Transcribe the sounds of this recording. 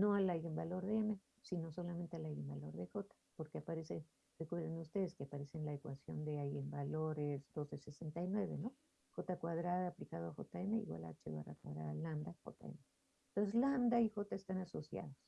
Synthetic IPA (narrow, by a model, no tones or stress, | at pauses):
noalajembalo̞ɾðeeme | sino̞so̞lament̪ealajembaloɾðexot̪ḁpoɾkeapaɾese | rekweɾðenust̪eðeskeapaɾesenlaekwasjo̞nd̪eajembaloɾesd̪o̞sesesent̪ajnweβeno | xot̪akwað̞ɾaðaːplikað̞oaxo̰t̪aemeḭɣwa̰la̰t͡ʃḛβa̰ra̰kwa̰ðɾa̰ðaland̪axo̰t̪a̰ḛme | t̪ons̬ezland̪aixo̞t̪aest̪anaso̞sja̰ðos